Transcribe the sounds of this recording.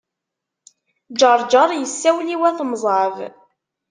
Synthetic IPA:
d͡ʒəɾˤd͡ʒəɾˤjəsːæwliwæθəmzˤɑv

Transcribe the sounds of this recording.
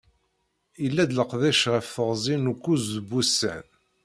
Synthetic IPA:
ilːæd̪ləqðæʃʁifəʁzˤinukʷːuzðbːusːæ̰n

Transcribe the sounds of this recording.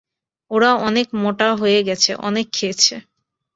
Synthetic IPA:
oɽaɔnekmoʈaɦojeɡɛt͡ɕʰḛʔɔ̰nekʰːet͡ɕʰe

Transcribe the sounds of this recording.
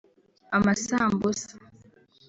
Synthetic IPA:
amasambosḁ

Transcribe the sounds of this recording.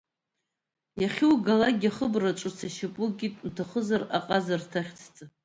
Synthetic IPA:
jaχʲɪwɡalaɡʲaχəbraʈ͡ʂʼɨt͡sʰaʃapʷʼuɡʲitʼntʰaχəzaraqʼazartʰaχʲt͡sʰt͡sʼa

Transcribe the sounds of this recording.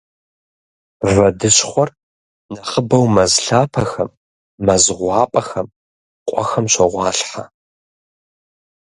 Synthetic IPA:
rɐdɨɕχʷɔr | nɐχəbɐwmɐzɬaːpʰɐxɐmː | ɐzʁʷɑːpʼɐxɐm | qʷʼɔ̰xɐmɕɐʁʷɑːɬħa̰

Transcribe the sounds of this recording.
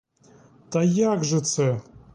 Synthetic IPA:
t̪ɐjaɡʐɨt̪sɛ

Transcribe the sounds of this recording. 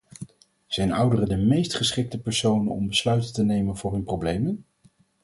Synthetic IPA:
z̥ɛjnʌwdərədəmejstχəsχɪk̚təpɛɹsownənɔ̰mbəslœɥtətənejmənvʊːɹɦɵnprowblejmən

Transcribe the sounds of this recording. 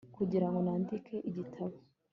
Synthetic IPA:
kuɟiɾaŋɡo̞naːndikʰe̞ʔiɟitʰaβo

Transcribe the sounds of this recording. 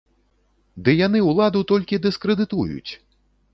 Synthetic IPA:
d̪ɨjanɨwlˠad̪ut̪ɔlʲkʲid̪ɨskɾɨd̪ɨt̪ṵjṵt͡sʲ

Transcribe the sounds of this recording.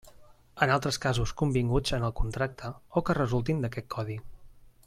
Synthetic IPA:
ənalˠt̪ɾəskazuskumbiŋɡud͡zənəlˠkunt̪ɾak̚t̪ʰəokərəzulˠt̪ind̪əkɛt̪̚kʰɔði

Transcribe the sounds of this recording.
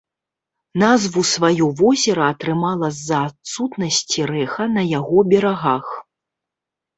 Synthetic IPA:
nazvusvajɔvɔzʲɛɾɐːt̪ɾɨmalˠɐzːɐːt̪sut̪nɐsʲt͡sʲiɾɛxɐnɐjaɣɔbʲɛɾaɣax

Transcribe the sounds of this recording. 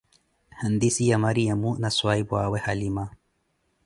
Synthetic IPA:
hənd̪isijamaɾiamunaswaibwaːwehalima

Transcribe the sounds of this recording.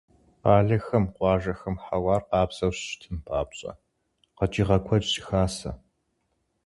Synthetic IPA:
qɑːɮɐxɐmqʷɑːʒɐxɐmħawɑːrqɑːpsɐwɕʃtʰɨnpʰaːpɕʼɐ̰ | qɐt͡ʃʼiʁɐkʷʰɔt͡ʃʼɕɪ̥xaːsɐ

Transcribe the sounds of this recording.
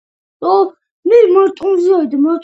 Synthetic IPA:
ɔ | mimaɾt̪ʼũnziaid̪amaɾt̪ʼ

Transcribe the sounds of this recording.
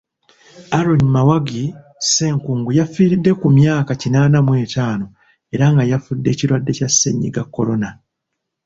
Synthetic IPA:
aɾoɲimawaɡi | se̞ːŋkuːŋɡujafiːɾidːe̞kumjaːkacinaːnamwe̞ːtaːno̞ | e̞ɾaŋɡajafudːe̞ːciɾwadːe̞casːḛɲːḭɡakːolo̞na

